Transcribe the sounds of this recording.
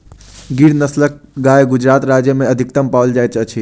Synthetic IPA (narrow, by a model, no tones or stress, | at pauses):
ɡiɽnəslək̚ɡaeɡud͡ʒɾat̪ɾad͡ʒjəmeəd̪ʱikt̪əmpald͡ʒajt͡ʃət͡ʃʰi